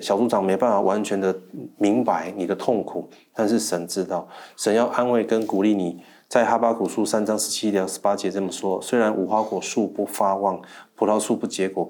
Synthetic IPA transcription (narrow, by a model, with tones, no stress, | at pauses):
ɕjɑ˨˩ʊt͡su˧˥ʈ͡ʂɑ˨˩ŋme˧˥ɪpa˥˩nfa˨˩wʔa˧˦nt͡ɕʰɥɛ˧˥nd̪ə˨mi˧˥ŋpa˧˦ɪni˨˩d̪ə˦t̪ʰo˥˨˩ŋkʰu˨˩t̪a˥˧nʂɻ̩˥˩ʂə˧˥nʈ͡ʂɻ̩˥t̪ɑ˥˩ʊʂə˧˦njɑ˥˧ʊʔa˦nwe˥˩ɪkə˦nku˨˩li˥˩ni˨˩ | t͡sa˥˩ɪxa˥pa˥kʰu˨˩ʂu˦sa˥nɑ˥ŋʂɻ̩˧˦t͡ɕʰi˦˥t̪jɑ˧˥ʊʂɻ̩˧˥pa˥t͡ɕjɛ˧˥t͡sə˥˩mə˨˩ʂwɔ˥swe˥ɪɻa˧˦nʔu˨˩xwa˥kwɔ˨˩ʂu˥˧pu˥˩fa˦wɑ˥˩ŋpʰu˨˩t̪ʰɑ˥˧ʊʂu˥˧pu˥˩t͡ɕjɛ˧˥kwɔ˨˩